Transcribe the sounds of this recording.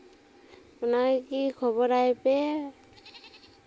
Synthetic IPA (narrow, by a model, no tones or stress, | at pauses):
unajkikʰɔbɔɾajpɛ